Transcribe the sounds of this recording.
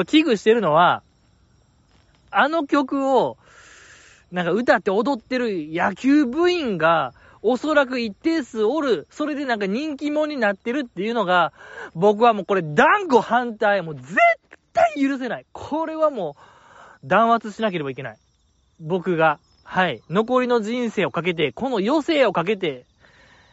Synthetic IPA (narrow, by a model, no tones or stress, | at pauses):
kʲiɡɯ̟ɕi̥t̪e̞ɾɯ̟no̞βa | ano̞kʲo̞kɯ̟o̞ | nãŋkaɯ̟t̪at̪ːeod̪o̞t̪ːe̞ɾɯ̟jakʲɨːbɯ̟ĩŋɡa | oso̞ɾak̬ɯ̟it̪ːe̞ːsɨoɾɯ̟so̞ɾe̞d̪e̞nãŋkaɲ̟ĩŋk̬ʲimõ̞ɲ̟ːinat̪ːe̞ɾɯ̟t̪ːe̞jɯ̟no̞ɡabo̞k̬ɯ̟βamo̞ːko̞ɾe̞d̪ãŋɡo̞hãnt̪aimo̞ːze̞tt̪ːaijɯ̟ɾɯ̟s̬e̞naikʰo̞ɾe̞βamo̞ː | d̪ãɰ̃βat͡sɨɕinak̬e̞ɾe̞baike̞na̰i | bo̞kɯ̟ɡa | haino̞ko̞ɾʲino̞ʑĩɰ̃se̞ːo̞kak̬e̞t̪̬e̞ko̞no̞jo̞se̞ːo̞kak̬e̞t̪e̞